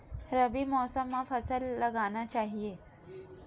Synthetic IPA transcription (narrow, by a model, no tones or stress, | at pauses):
ɾɐbimɔːsəmːãfʰɐsəlːɐɡaːnat͡ʃaːɦieː